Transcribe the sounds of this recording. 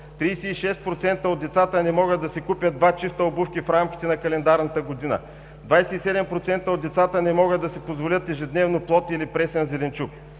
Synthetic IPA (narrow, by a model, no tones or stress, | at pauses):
t̪ɾijsɛiʃɛst̪̚pɾot̪sɛnt̪əod̪ːɛt̪sat̪ənɛmɔɡəd̪d̪ɐsɛkupʲjəd̪̚d̪vat͡ʃist̪əobufkʲifɾamkʲi̥t̪ɛnɐkɐlɛnd̪aɾnɐt̪əɡod̪inə̰ | d̪vajsɛisɛd̪ɛmpɾot̪sɛnt̪əod̪d̪ɛt̪sat̪ənɛmɔɡəd̪ɐsɛpozvolʲət̪ɛʒɛd̪nɛvnoplˠɔt̪ilipɾɛsɛnzɛlɛnt͡ʃup̚